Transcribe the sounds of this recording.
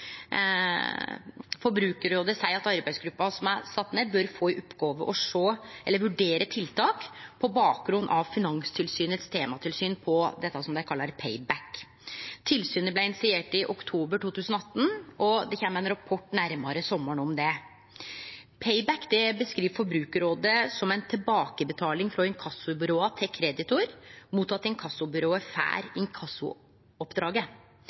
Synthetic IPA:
fɔɾbɾʉːkəɾod̪ɛsæɪɑt̪ɑɾbæɪsɡɾʉpːɑsɔmæɾsɑt̪ːnebœɾfoːɪʔʊpːɡoːʋəʔɔʂoːʔɛlːəɾʋʉɖeːɾət̪ʰɪlt̪ʰɑːkpʰɔbɑːk̚ɡɾʉnd̪ʔɑʋfɪnɑŋst̪ʰɪlsyːnət̪st̪ʰeːmɑt̪ʰɪlsyːnpʰɔd̪ɛt̪ːɑsɔmd̪æɪkʰɑlːɑɾpʰeɪbæk | t̪ʰɪlsyːnəblæɪnɪsɪeːʈɪʔɔkt̪ʰuːbəʈuːt̪ʉːsənɔɑt̪ːn̩ʔɔd̪ɛçɛnmɛnɾɑpʰɔʈːnæɾmɑɾəsɔmːəɳɔmd̪ɛ | pʰɛɪbækːd̪ɛbəskɾiːʋfɔɾbɾʉːkəɾoːd̪əsɔmɛɪnt̪ʰɪlbɑːkəbət̪ʰɑːlɪŋfɾɔɛnkʰɑsːʊbʏɾoːɑt̪ʰɛkʰɾɛd̪ɪt̪ʊɾmuːt̪ːɑt̪ːɛnkʰɑsːʊbʏɾoːəfæ̰ːɾɪŋkʰɑsːʊ̰ | ɔpd̪ɾɑːɡə

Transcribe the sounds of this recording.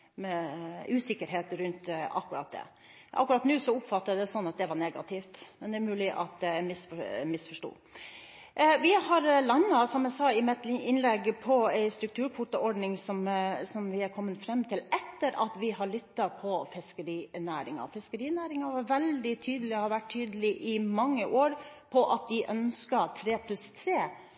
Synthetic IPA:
mɛʉːsɪkːəɾɦeːt̪ɾʉnt̪ɑ̰kːʉɾɑ̰ːt̪̚d̪ɛ̰ | ʔɑ̰kːʉɾɑːt̪nʉːsɔʊpfɑt̪ːəd̪ɛsɔnːɑt̪̚d̪ɛʋɑɾɳeːɡɑ̰t̪ʰɪft̪mɛnd̪ɛæɾmʉːlɪʔɑ̰t̪æmɪsfɔmɪsfɔʂʈṵː | ʋɪhɑɾlɑŋːɑsɔmæɪsɑːɪmɛt̪lɪʔɪnlɛɡpʰɔæɪst̪ɾʉk̚t̪ʰʉːɾkʰʊʈ̪əɔɾɖnɪŋsɔmsɔmʋɪæɾkʰɔmːənfɾɛmːt̪ʰɪlɛt̪ːəɾɑt̪ʋɪɦɑɭʏt̪ːɑpʰɔfɪskəɾiːnæːɾɪŋɑ̰fɪskəɾiːnæːɾɪŋɑʋɑɾʋɛld̪ɪt̪ʰyːd̪əlɪɔhɑɾʋæʈ̚t̪ʰyːd̪əlɪʔɪmɑŋːəʔoːɾpʰɔʔɑt̪̚d̪ɪʔœnskɑt̪ʰɾeːpʰlʉst̪ʰɾeː

